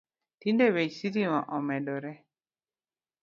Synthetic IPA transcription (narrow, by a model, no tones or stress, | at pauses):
tindewesiɾimãʔɔmɛdɔɾɛ